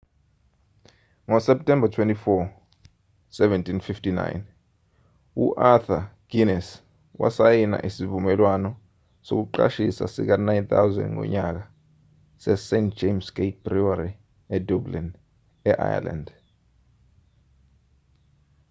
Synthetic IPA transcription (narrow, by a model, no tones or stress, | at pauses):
ŋɔsɛp̚tʰɛmbatʰwentifɔ | sɛvɛntʰinfiftina̰jn | ṵʔaθaɡ̥inɛs | wa̰sajina̰ʔisivumɛlwanɔ | sok̬uǃa̰ʃisa̰sḭk̬anajnθawzɛ̰̃ndŋɔ̰ɲak̬a | sɛsentd͡ʒemsɡ̥et̚b̥riwaɾi | ɛdublin | ɛʔa̰ja̰la̰nd